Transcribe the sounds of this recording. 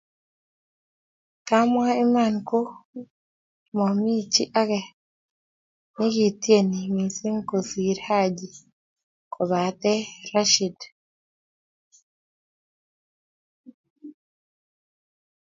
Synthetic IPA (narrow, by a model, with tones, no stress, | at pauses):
ka˦mwa˦i˦ma˦˨nko˦ | mɔ˨mi˦t͡ʃḭ˦ʔa˦ɡɛ˨ | nɪ˦ɡi˨tje˦ni˨mi˨si˦ŋko˨si˨ɾha˦d͡ʒi˨ | kʰo˨βa˨t̪ɛ˦ɾa˦ʃi˨d